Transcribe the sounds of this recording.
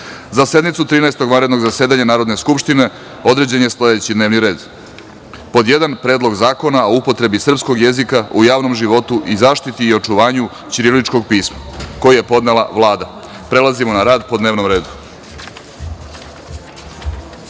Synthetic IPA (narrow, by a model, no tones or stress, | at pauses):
zase̞d̪nit̪sut̪ɾiːnaest̪o̞ɡʋanɾed̪no̞ɡzaseːd̪aɲanaːɾo̞d̪ne̞skupʃt̪ine̞ | o̞d̪ɾe̞d͡ʑenjesle̞d̪eut͡ɕid̪neːʋniɾe̞ːd̪ | po̞d̪jed̪anpɾe̞ːd̪lˠo̞ɡzaːko̞nao̞upo̞t̪ɾe̞bisr̩psko̞ɡje̞zikaujaːʋno̞mʒiʋo̞t̪uʔizaːʃt̪it̪iːo̞t͡ʂuʋaːɲu | t͡ɕiɾilit͡ʃko̞ɡ̚piːsmako̞jijepo̞d̪nelˠaʋlˠaːd̪a | pɾe̞lˠazimo̞naɾaːd̪po̞d̪ne̞ːʋno̞mɾe̞ːd̪u̥